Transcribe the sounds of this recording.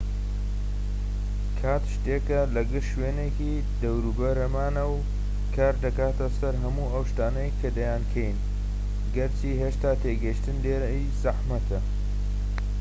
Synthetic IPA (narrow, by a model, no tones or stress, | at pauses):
kʰaːt̪ʃt̪eːkɐlɐɡɨɾʃweːneki | d̪ɐwɾubɐɾɐmaːnɐw | kʰaːɾd̪ɐkaːt̪ɐsɐɾɦɐmuːʔɐwʃt̪aːnɐjkʰɐd̪ɐjaːnkʰejn | ɡɐɾt͡ʃiːɦeʃt̪aːt̪ʰeːɡɐʃt̪ɨnleːɾɐjzɐħmɐt̪ʰɐ